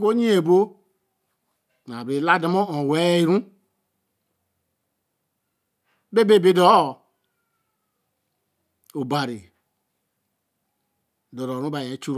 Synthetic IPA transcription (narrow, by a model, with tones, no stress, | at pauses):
ko˦ɲĩ˦e˨bo˦˨ | na˨be˨˦la˦da˨mõ˦õ˨wɛ˨˦i˦˨ɾũ˦ | be˦be˦˨be˦dɔ˨˦˨ | o˨ba˨ɾi˨ | dɔ˨ɾɔ˨ɾũ˦ba˨jɛ˨˦t͡ʃu˦ɾ